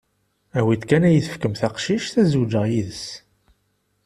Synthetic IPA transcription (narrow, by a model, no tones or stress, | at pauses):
æwid̪kænæjəθə̥fkəmθæqʃiʃθæzud͡ʒəʁjiðəs